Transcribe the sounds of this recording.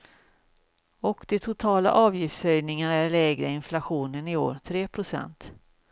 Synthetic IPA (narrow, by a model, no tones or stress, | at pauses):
ɔkd̪̥ɛt̪ʰʊt̪ʰɑːla̰ʔɑːvjɪft̪sœjnɪŋaɾæɾlɛːɡɾaɪnflaɧuːnənɪo̰ːɾt̪ʰɾeːpʰɾʊsɛ̰nt̪